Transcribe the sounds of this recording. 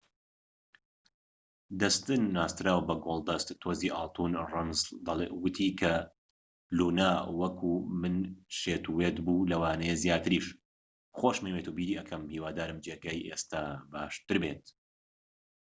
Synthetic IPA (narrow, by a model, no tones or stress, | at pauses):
d̪ɐst̪ɨnːaːst̪ɾaːwbɐɡolˠd̪ɐst̪ːʰoziːʔɑ̰ːlˠt̪ʰuːnrɨmzd̪ɐlḛwɨt̪ʰiːkʰɐ | luːnaːwɐkʰuːmɨnʃeːt̪uwet̪buːlɐwaːnejezjaːt̪ɨɾiːʃ | χoʃmeweːt̪uːbiːɾiːʔɐkʰɐmhiːwaːd̪aːɾɨmd͡ʒeɡaːjʔeːst̪aːba̰ːʃt̪ɨɾbet̪̚